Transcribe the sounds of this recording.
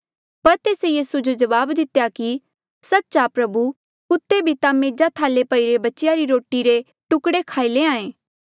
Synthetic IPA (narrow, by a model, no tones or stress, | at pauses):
pɐɾt̪eːsejiːsud͡ʒod͡ʒɐʋaːbd̪ɪt̪jaki | sɐtːt͡ʃapɾɐbu | kʊt̪ːebʱit̪ameːd͡ʒat̪ʰaːlepɐiɾebɐtːt͡ʃjaɾiɾoːʈiɾe | ʈʊkɽekʰaːileãːẽː